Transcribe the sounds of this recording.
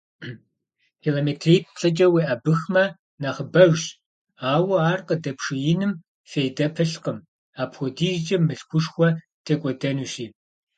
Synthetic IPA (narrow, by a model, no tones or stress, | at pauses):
kʰiːloːmeːtʰriːk̚ɬʼɐt͡ʃʼɐweːʔɐbɨxmɐ | nɐχəbɐʒɕ | aːwɐaːrqʼədɐpʂɨjɪnɨm | fejdɐpʰɨɬqəm | aːpxʷɔdiːʒt͡ʃʼɐmːɨɬxʷʊʂxʷɔ | tʰeːkʷʼɔdɐnuːɕiː